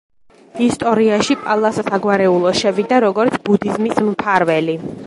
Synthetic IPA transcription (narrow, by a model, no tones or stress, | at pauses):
ist̪ʼɔɾiaʃipʼalˠassaɡwaɾɛulˠɔʃɛvid̪aɾɔɡɔɾt̪sʰbud̪izmismpʰaɾvɛli